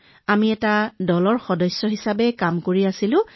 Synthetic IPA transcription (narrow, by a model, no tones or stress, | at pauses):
amiɛtadɔlɔɹxɔdɔjsjɔɦisabɛkamkoɹiasilʊ̃